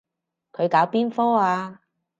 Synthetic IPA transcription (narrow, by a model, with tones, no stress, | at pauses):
kʰɵ˨˧ɥkaː˨˥wpiː˥nfɔː˥aː˧